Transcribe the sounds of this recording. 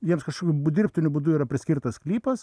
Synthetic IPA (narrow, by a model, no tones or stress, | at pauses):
jiɛmskɐʃkoːkʲʊbʊd̪ʲɪɾʲpʲt̪ʲʊnʲʊbʊd̪ʊiːɾɐpʲɾʲɪsʲkʲiɾt̪ɐsklʲiːpɐs